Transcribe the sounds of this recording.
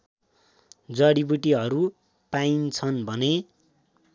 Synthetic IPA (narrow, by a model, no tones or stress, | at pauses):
d͡zʌɽibuʈiɦʌɾu | paint͡sʰʌnbʱʌne